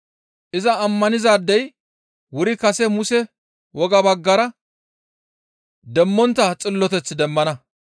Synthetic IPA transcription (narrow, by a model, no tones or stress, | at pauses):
ʔɪzɐːmːɐnɪzaːd̪ːɛj | wʊɾɪkɐsɛmʊsɛ | wɔɡɐbɐɡːɐɾɐ | d̪ɛmːɔnt̪ːɐt͡sʼɪlːɔt̪ɛt͡sːɪd̪ɛmːɐnɐ